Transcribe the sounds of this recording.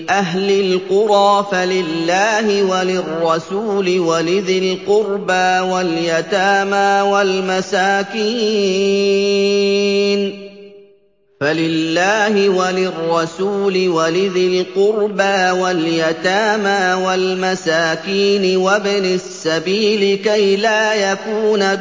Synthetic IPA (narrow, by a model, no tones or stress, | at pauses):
ʔaɦlɪlqʊɾɑːfalɪlːaːhɪwalɪrˤːɑsuːlɪwalɪðɪlqʊɾbaːwaljat̪aːmaːwalmasaːkiː | n | falɪlːaːhɪwalɪrˤːɑsuːlɪwalɪðɪlqʊɾbaːwaljat̪aːmaːwalmasaːkiːnɪwabɪnasːabiːlɪkajlaːjakuːna